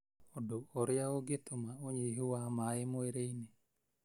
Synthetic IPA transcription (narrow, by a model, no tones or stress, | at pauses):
odooɾɪjaoɡet̪omaoɲeɦuwamaemoeɾeine